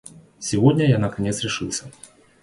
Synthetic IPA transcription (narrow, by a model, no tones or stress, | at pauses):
sʲivɔd̪ʲnʲɐjanɐkanʲɛt̪sɾʲiʂɨwsʲɐ